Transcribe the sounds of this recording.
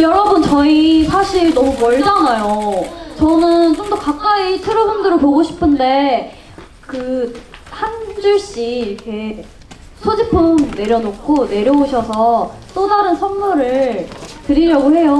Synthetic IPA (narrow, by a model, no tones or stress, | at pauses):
jʌɾʌbunt͡ɕʌisʰaɕʰiɭnʌmumʌɭd͡ʑanajot͡ɕʌnɯnt͡ɕomdʌkak͈aitʰɯɾobundɯɾɯɭpoɡoɕʰi̥pʰɯnde̞ | kɯ | hand͡ʑuɭɕ͈iːɾʌkʰe̞ | sʰod͡ʑipʰɯmne̞ɾjʌnokk͈ʰone̞ɾjʌoɕʰʌsʰʌt͈odaɾɯnsʰʌnmuɾɯɭtɯɾiɾjaɡoɦe̞jo